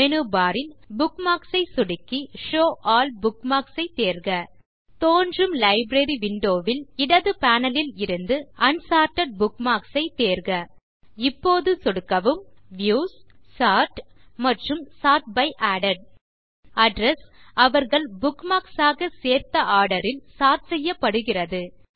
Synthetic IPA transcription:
mɛnubaːɾɪlbʊkmaːksɐɪsɔɽɯkːiʂoːʔaːlbʊkmaːksɐɪt̪eːɾɣɐ | t̪oːndrɯmlɐɪbɾeɾiʋɪɳɖoːʋɪlɪɽɐðɯpaːnɐlɪlɪɾɯnd̪ɯɐnsaːɾʈːɐɖ̚bʊkmaːksɐɪt̪eːɾɣɐ | ɪpːoːðɯsɔɽɯkːɐʋɯmʋjuːssaːɾʈmɐʈrɯmsaːʈ̚bɐɪʔaːɽɐɖ̚ | ɐɖɾɐsɐʋɐɾɣɐɭbʊkmaːksaːɣɐseːɾt̪ɐʔaːɽɐɾɪlsaːɾsɛjːɐpːɐɽɯɣɪrɐðɯ

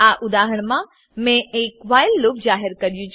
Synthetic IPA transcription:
aʔʊd̪aːɦəɽ̃mã | mẽʔekʋaːɪlːoːk̚d͡ʑaːɦəɾkɐɾijũt͡ʃʰ

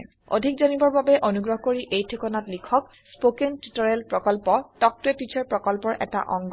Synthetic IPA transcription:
o̰dʱik̚zɔnibɔɹbabɛʔonuɡɹɔɦɔkoɹiʔejtʰekɔnatlikʰɔk | spokentutɔɹɛlpɹɔkɔlpɔtɔk̚tʊɛtit͡ʃʰɔɹpɹɔkɔlpɔɹʔɛ̰ta̰ʔɔ̰ŋɡ

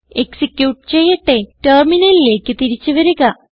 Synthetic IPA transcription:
eksikjuːʈːɨ̥t͡ɕe̞jːɐʈːe̞terminɐlile̞ːkːɨt̪iɾit͡ɕːuʋɐɾuɣɐ

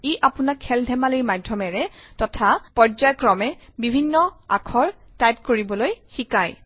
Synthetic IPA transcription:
iʔapʊnakʰːɛldʱɛmaliɹmadʱːɔmɛɹɛtɔtʰapɔɹd͡ʒajkɹɔmɛbibʱinːɔa̰kʰɔɹ | tajp̚koɹibɔlojxikaj

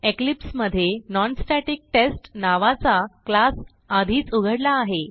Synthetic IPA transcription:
eklipsməd̪ʱːjenɔnsʈaʈik̚ʈesʈnaʋat͡saklas | ad̪ʱiːt͡suɡʱəɽlaːɦe

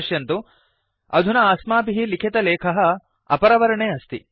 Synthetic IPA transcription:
ʃjɐnt̪u | ɐd̪ʱunɐaːsmaːpiɦilikʰet̪ɐleːkʰɐɦɐ̆ | ɐ̰pɐɾɐʋɐɾɐɳeːɐst̪i

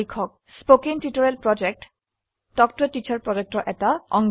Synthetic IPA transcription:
ikʰɔk̚ | spokiŋtitoɹɛlpɹɔd͡ʒɛk̚t | dɔktɔtit͡ʃʰaɹpɹɔd͡ʒek̚tɔʔɛtaɔ̰ŋ

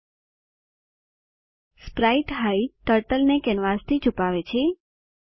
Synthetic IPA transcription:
spɾaiʈɦait̪əɾʈəlnekɛnʋast̪ʰit͡ʃupaʋet͡ʃʰe

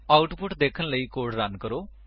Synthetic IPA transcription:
aːʊʈpʊʈd̪eːkʰənləiːkoːɾɖɾənkəɾoː

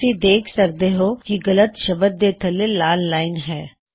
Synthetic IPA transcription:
id̪eːkʰsɐɾ̚d̪eɦokiɣɐlət̪ʃɐbət̪̚d̪eːt̪ʰəlelaːlːaːɪnɦɛː

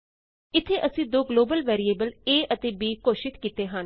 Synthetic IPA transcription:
ɪt̪ʰːeːʔəsĩːd̪oːɡloːbəlʋɛːɾiːeːbəleːʔət̪eːbiːkoːʃɪt̪kiːt̪eːɦən

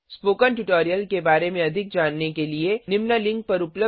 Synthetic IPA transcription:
spoːkənʈʊʈoːɾijəlkebaːɾemẽɐd̪ʱɪk̚d͡ʒaːnːekelienɪmnalɪ̃ŋk̚pɐɾʊplə

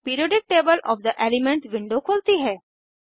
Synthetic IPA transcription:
piːɾioːɖɪk̚ʈeːbəlʔɔ̰ːʋd̪əʔelɪmɛ̃ɳʈʋɪ̃ɳɖokʰoːlt̪iɦɛː

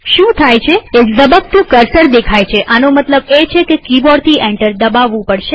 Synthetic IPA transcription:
ʃũt̪ʰajt͡ʃʰeezəbək̚t̪əkəɾsəɽd̪ekʰajt͡ʃʰeʔanomət̪ləbet͡ʃʰekekibɔɽt̪ʰiʔɛɳʈəɾd̪əbaʋːũpəɽʃe

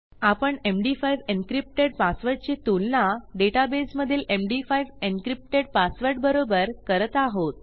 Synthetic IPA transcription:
apəɳemɖifajʋenkɾip̚ʈeɽpasʋəɾʈ̚t͡ɕit̪ulnaɖeʈabesməd̪ʱiːlʔemɖifajʋenkɾip̚ʈeɽpasʋəɾʈ̚bəɾobəɾkəɾət̪aɦot̪̚

